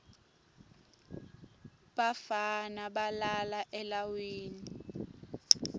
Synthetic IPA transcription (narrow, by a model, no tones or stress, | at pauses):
ɓafanaɓalalaʔɛlawiːni